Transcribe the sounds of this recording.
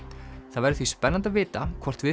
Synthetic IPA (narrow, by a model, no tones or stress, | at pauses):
θaðvɛɾɪθvispɛnːant̪avɪːt̪akʰvɔr̥t̪vɪ